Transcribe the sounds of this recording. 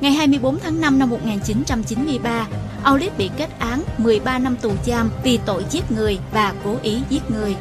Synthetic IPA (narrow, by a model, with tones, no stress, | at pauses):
ŋa˨˩jɦaː˧jmɨ˧əjɓo˨˦nt̪ʰaː˨˦ŋna˧mna˧mːo˨˩t̚ŋaː˨˩nt͡ɕi˨˦nt͡ɕa˧mt͡ɕi˨˦nmɨ˧əjɓaː˧ | ʔaː˧wli˦˥t̚ɓḭ˧˨ke˦˥t̚ʔaː˨˦nmɨ˨˩əjɓaː˧na˧mt̪u˨˩zaː˧mvi˨˩t̪o̰˧˨jzi˦˥ət̚ŋɨ˨˩əjvaː˨˩ko˨˦ʔi˨˦zi˦˥t̚ŋɨ˨˩əj